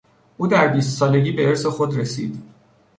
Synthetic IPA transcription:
ʔuːd̪æɾbiːst̪sɒːle̞ɟʲiːbeeɾse̞xo̞d̪ɾesḭːd̪̥

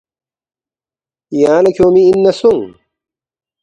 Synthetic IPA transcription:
ijaːnɐkʰjoːmiːnːɐsuŋ

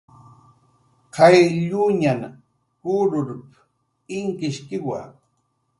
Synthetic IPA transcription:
kajʎʊɲan | kʊɾʊɾp | ɪŋkɪʃkɪwa̰

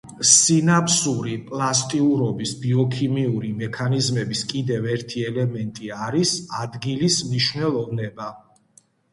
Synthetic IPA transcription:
sinapʰsuɾipʼlˠast̪ʼiuɾɔbisbiɔkʰimiuɾimɛkʰanizmɛbiskʼid̪ɛvɛɾt̪ʰiɛlɛmɛnt̪ʼiaɾisad̪ɡilismniʃvwnɛlˠɔvnɛba

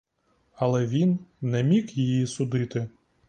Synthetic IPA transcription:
ɐlˠɛʋʲinnɛmʲikjijisʊd̪ɪt̪ɪ

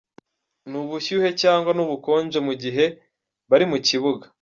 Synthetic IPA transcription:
nuβuçuhe̞caːŋɡwanuβuko̞ːnd͡ʒe̞muɟiɦe̞ | βaɾimuciβuɡa

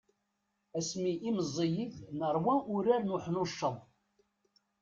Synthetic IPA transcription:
æsmiʔːməzˤːijiθnəɾˤwæʔʊɾænuħnuʃːəðˤ

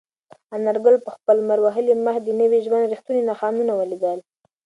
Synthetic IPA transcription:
anaɾɡʊlpəxpəlmaɾwaɦəliməxd̪ənəwiʒwand̪ɾixt̪uninaxɑnunawəlid̪əl

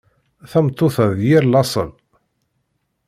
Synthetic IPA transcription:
θæmt̪ˤːoθæðjɪɾlɑsˤə̰v

